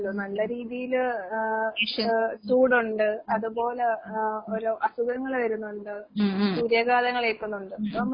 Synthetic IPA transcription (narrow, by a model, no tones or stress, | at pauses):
lːonɐlːɐɾiːðijil | suːɽuɳɖɨɐðubo̞ːleoɾoʔɐsuɡɐŋːɐɭʋɐɾunːuɳɖɨsuːɾjɐɡaːðɐŋːɐɭepːɐnːuɳɖɨɐmː